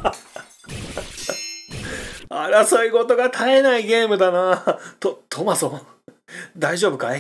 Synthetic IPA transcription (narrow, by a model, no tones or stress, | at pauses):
aɾasoiɡo̞t̪o̞ɡat̪ʰaenaiɡʲe̞ːmɯ̟d̪anat̪ot̪ʰomasõ | d̪aiʑo̞ːbɯ̟kae